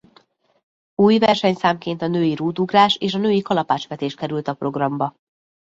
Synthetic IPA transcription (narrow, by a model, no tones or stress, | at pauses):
uːjvɛrʃɛɲsaːmkeːnt̪ɒnøːjiɾuːd̪uɡraːʃeːʃɒnøːjikɒlɒpaːt͡ʃʋɛt̪eːʃ̚kɛɾylt̪ɒpro̞ɡrɒmbɒ